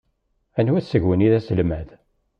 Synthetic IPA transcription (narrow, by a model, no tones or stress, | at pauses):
ænuæsːəʝwəniðæsəlmæð